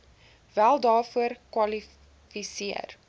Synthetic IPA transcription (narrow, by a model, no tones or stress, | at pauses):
vælˠdɑːrfuərkwɐli | fisiə̰r